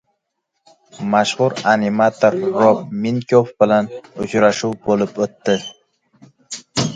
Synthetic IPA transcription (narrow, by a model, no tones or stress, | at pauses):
maʃχʊɾanimat̪ʰoɾːobminkʰʲofbɪlanʊt͡ʃɾaʃuwbolɪpot̪ːɪ